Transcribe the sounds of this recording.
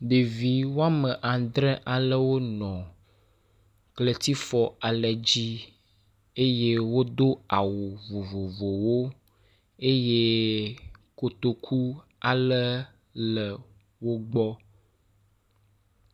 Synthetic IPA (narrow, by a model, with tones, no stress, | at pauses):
ɖe˨vi˨wo˦a˦mə˨ʔa˨d̪ɾɛ˦ʔa˨lə˦wo˦nɔ̃˨ | klə˨t̪i˦fɔ˨a˨lə˨d͡ʑi˦ | e˦je˦wo˦d̪o˦a˨wo˨vo˨vo˨vo˨wo˦ | e˦je˦ | ko˨t̪o˨kʰu˦ | a˨lə˦ | lə˨ | wo˦ɡ͡bɔ˦